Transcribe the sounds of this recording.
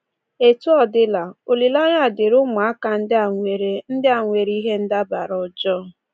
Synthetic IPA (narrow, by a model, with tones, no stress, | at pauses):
e˨tu˦ɔ˦dɪ˦la˨o˨li˨la˦ɲ˦a˦˨dɪ˨ɾʊ˦mʊ˨a˦ka˨n̩˦da˨ŋʷe˨ɾe˨n̩˦dɪ˦a˨ŋʷe˨ɾi˦ɦe˦n̩˦da˦ba˨ɾɔ˨d͡ʒɔ˦˨